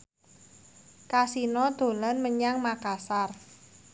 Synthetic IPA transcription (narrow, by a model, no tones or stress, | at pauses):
kasinɔd̪̥o̤lanməɲaŋmakasar